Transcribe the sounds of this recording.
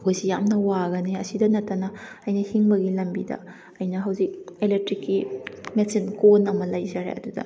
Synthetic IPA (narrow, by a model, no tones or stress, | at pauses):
hojsijamnɐwaɡɐniɐsidɐnɐtːɐnɐɐjnɐhiŋbɐɡilɐmbidɐ̰ | ɐjnɐɦɐwzik̚elek̚tɾikːimesinkonɐmɐlɐjzaɾḛɐ̰dudɐ̰